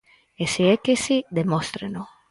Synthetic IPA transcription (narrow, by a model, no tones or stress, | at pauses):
esiekesid̪emost̪ɾeno